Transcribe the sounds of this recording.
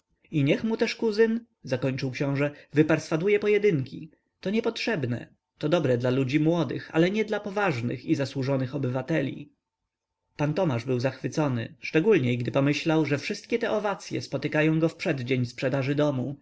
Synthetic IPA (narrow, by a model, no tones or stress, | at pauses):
iɲɛxmut̪ɛʂkuzɘn | zakɔɲt͡ʂɨwkɕɔ̃w̃ʐɛvɘpaɾsfad̪ujɛpɔjɛd̪ɘŋkʲi | t̪ɔɲɛpɔtʂɛbnɛ̰ | t̪ɔd̪ɔbɾɛd̪lalud͡ʑimwɔd̪ɘ̰xa̰lɛɲɛd̪lapɔvaʐnɘ̰xizaswuʐɔnɘxɔbɘvat̪ɛlʲḭ | pant̪ɔmaʐbɘwzaxfɘt̪sɔnɘ̰ʂt͡ʂɛɡulɲɛɡd̪ɘpɔmɘɕlawʐɛfʂɘst̪̚kʲɛt̪ɛʔɔvat̪sʲjɛ̰spɔt̪ɘkajɔ̃w̃ɡɔfpʂɛd̪d͡ʑeɲspʂɛd̪aʐɘd̪ɔmu